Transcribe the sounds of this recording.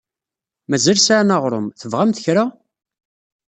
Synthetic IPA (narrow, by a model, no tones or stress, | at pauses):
mæzælsaʕnɑʁɾˤʊmθəvʁamθə̥çɾa